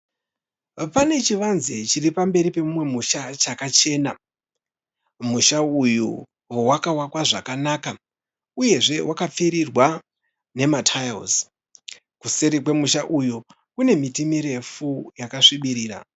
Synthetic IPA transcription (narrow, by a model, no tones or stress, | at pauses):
pane̞t͡ʃiʋanzet͡ʃiripambe̞ɾipe̞mumwe̞muʃat͡ʃakat͡ʃe̞ːna | muʃauju | wowakawakwaʐakanaka | uje̞ʐe̞wʔakap͡fiɾirwa | ne̞matʰajo̰s | kuse̞ɾik̬we̞muʃaʔuju | kune̞mitimiɾe̞fujakaʂiɓiɾiːɾa̰